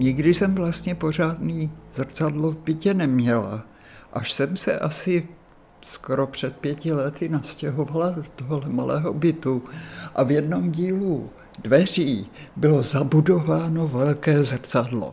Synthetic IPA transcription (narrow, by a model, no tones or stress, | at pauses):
ɲɪɡdɪsɛmvlast̪ɲɛpo̞r̝aːdniːzr̩t͡sadlo̞vbɪcɛnɛmɲɛla̰ | ʔaʃsɛmsɛʔasɪ | skoɾo̞pr̥ɛt̪̚pjɛcɪlɛt̪ɪnascɛɦo̞valadot̪oɦolɛmalɛ̰ːɦo̞bɪt̪uʔavjɛdno̞mɟiːlu | dvɛr̝iːbɪlo̞zabudo̞vaːno̞vɛlkɛːzr̩t͡sadlo̰